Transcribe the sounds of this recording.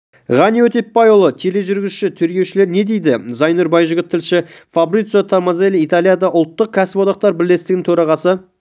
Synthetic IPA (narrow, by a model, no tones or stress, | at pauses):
ʁɑniwɵt̪e̞ppːɑjolˠət̪ʰe̞le̞ʒʏɾɡʲɪzʃɪt̪ʰʏɾkʲe̞wʃɪle̞ɾne̞d̪e̞jd̪ɪzɑjnuɾbɑjʒʏɡʲɪt̪ʰːɪlʃɪfabrit̪sot̪ʰaɾmɑzelʲijt̪alijad̪ɑʔʊlˠt̪ːəq̚kʲʰæsɪpod̪ɑq̚t̪ɑɾbɪlːe̞st̪ɪɡʲɪŋt̪ʰɵɾɑʁɑsə